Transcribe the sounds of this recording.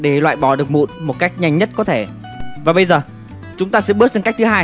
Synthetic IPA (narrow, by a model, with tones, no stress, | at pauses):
ɗe˧˩lwa̰ː˧˨jɓɔ˧˩ɗɨ˨˩ək̚mṵ˧˨nmo˨˩t̚ka˦˥jk̟̚ɲa˧jŋ̟ɲə˦˥t̚kɔ˨˦t̪ʰe˧˩ | vaː˨˩ɓə˧jzəː˨˩ | t͡ɕʊ˨˦ŋ͡mt̪aː˧sɛ̰˧˥ɓɨ˦˥ət̚t͡ɕə˧˩kk̚t̪ʰɨ˨˦ɦaː˧j